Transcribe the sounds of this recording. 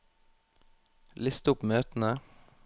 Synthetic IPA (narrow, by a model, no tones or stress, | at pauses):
lɪst̪ʊpmøːt̪n̩ə